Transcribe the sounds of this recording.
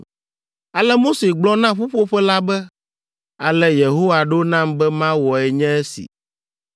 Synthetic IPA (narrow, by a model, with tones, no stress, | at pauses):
a˨lɛ˦mo˦se˨ɡ͡blɔ˦nã˦ɸu˦ɸo˦ɸɛ˦la˦bɛ˦ | a˨lɛ˦je˨ɦo˦wa˨ɖo˦nã˦˨mbɛ˦mã˦wɔ˨ɛ˨ɲɛ̃˦ɛ˦sḭ˨